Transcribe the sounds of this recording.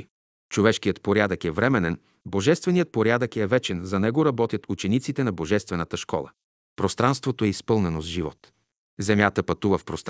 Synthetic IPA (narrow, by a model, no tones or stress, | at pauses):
t͡ʃovɛʃkijət̪poɾʲjad̪əkɛvɾɛmɛnɛn | boʒɛst̪vɛnijət̪̚poɾʲjad̪əkɛvɛt͡ʃɛnzɐnɛɡoɾɐbɔt̪jət̪ut͡ʃɛnit̪sit̪ɛnɐboʒɛst̪vɛnət̪əʃkɔ̰lˠə̰ | pɾost̪ɾanst̪vot̪oɛispɤlˠnɛnozʒivɔ̰t̪ | zɛmʲjat̪əpɐt̪uvəfpɾost̪